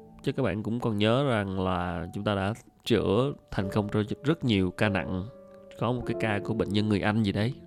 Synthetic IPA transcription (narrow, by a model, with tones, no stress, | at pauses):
t͡ɕə˧˦kaː˦˥k̚ɓa̰ː˧˨nkʊ̰˧˥ŋ͡mkɔ˨˩nɲəː˨˦za˨˩ŋlaː˨˩t͡ɕʊ˨˦ŋ͡mt̪aː˧ɗa̰ː˧˥ | t͡ɕɨ̰˧˩ət̪ʰɛ˨˩jŋ̟kə˧wŋ͡mt͡ɕɔ˧zə˦˥t̚ɲi˨˩əwkaː˧na̰˧˨ŋ | kɔ˨˦mo˨˩kaː˨˦jkaː˧ku˧˩ɓə̰˧˨ŋ̟ɲə˧nŋɨ˨˩əjʔa˧jŋ̟zi˨˩ɗə˨˦j